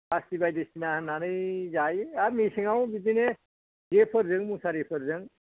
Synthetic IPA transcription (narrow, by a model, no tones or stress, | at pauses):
ast̪ibajd̪est̪inaɦnanɯjd͡ʒaːjamisiŋaw̃bid̪ine | d͡ʒepʰəɾzəŋmusaɾepʰəɾzəŋ